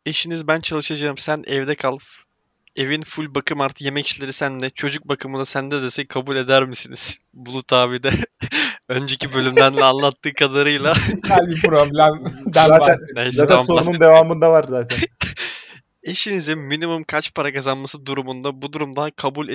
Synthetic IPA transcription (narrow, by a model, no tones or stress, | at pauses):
eʃinizbænt͡ʃʰalˠɯʃad͡ʒaːɯmsænʔɛvd̪ɛkʰalˠp | e̞vinfulʲbakʰɯmaɾt̪ʰɯ̥je̞mɛcʰi̥ʃlʲeɾisænd̪ɛt͡ʃʰo̞d͡ʒuk̚bakʰɯmɯd̪asænd̪ɛd̪esɛkʰabulʲe̞d̪æɾmisiniz̥ | bulˠut̪ʰaːvid̪ɛ | ø̞nd͡ʒe̞cʰibø̞lʲymlænlʲɛanlˠat̪ːɯːkʰad̪aɾɯjlˠahalʲbipɾoblʲɛmd̪æaːnɛizaːamsounund̪evaaːmɯnd̪avaɾzaːt̪ʰæn | eʃinizinminimumkʰat͡ʃpʰaɾakʰazanmasɯd̪uɾumund̪abud̪uɾumd̪akʰabulʲe